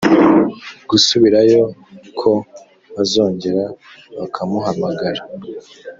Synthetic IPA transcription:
ɡusuβiɾajo̞kʰo | azo̞ːɲɟe̞ɾa | βakʰamuɦamaɡaɾa

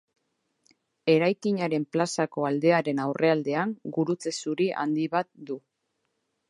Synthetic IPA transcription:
e̞ɾajkiɲaɾe̞mplasako̞ald̪e̞aɾe̞nawrʔe̞ald̪e̞aŋɡuɾut͡se̞suɾiʔa̰nd̪iβat̪̚d̪u

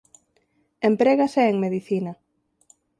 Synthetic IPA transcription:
empɾeɣasɛeŋmeðiθinɐ

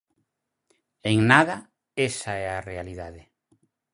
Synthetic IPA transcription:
eŋnaðɐ | esaɛarealiðaðe

